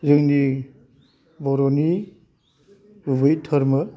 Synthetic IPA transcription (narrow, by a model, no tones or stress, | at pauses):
zɯŋni | bɔɾɔni | bubɯjtʰɐɾmɯ